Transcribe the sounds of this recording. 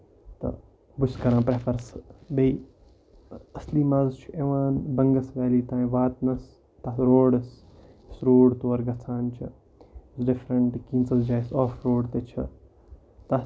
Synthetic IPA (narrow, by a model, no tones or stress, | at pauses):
t̪ɐ̰ | buskɐɾãːpɾepʰɐɾsb̪ei | ɐsliːmaːzt͡ʃʰuʔeʋaːnbɐŋɡɐsʋɛːliːt̪ãːĩʋaːt̪nɐs | t̪aːɾoːɽɐs | sɾoːɖt̪oːɐɾɡɐt͡sʰaːnt͡ʃʰḭ | sɖɪfɾɐɳʈkiːnsɐsd͡ʒaːjsɔːfɾoːɽt̪et͡ʃʰḭ | t̪a